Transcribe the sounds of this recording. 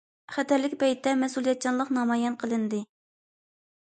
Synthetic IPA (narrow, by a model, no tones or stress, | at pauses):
χɛt̪ʰæɾlɪkʲbɛjt̪ʰːɛmɛsulˠijɛt̪̚t͡ʃʰːɑnlˠəqnɑmɑjɛnqʰəlˠɨnd̪ɨ